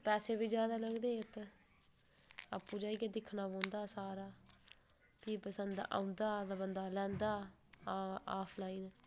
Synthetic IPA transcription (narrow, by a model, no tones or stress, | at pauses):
pɛːseːbiːd͡ʒjaːd̪aːləɡd̪eːʊt̪ | a̰ːpːũːd͡ʒaːiːked̪ɪkʰnaːbõːnd̪aːsaːɾaː | piːpəsənd̪ʔã̰ːʊ̃nd̪aːd̪abənd̪aːlɛ̃ːnd̪aː | aːpʰlaːiːn